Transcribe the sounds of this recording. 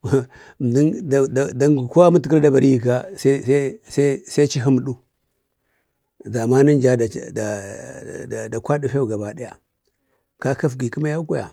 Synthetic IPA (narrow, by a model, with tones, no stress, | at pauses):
m˨di˦nda˨da˨da˦ŋɡu˨ko˦a˦mu˦ti˨ki˦lda˦ba˨ɾi˦ji˨ka˦sa˦sa˦sa˦sa˦t͡ʃi˦ɦi˦m˨ɗu˦ | za˨ma˦ni˦nd͡ʒa˦da˨da˨ | da˨kʷa˦di˦fe˦wu˨ɡa˨ba˨di˦ja˨ | ka˦ka˦fɡi˨ki˦ma˦ja˦ka˦ja̰˨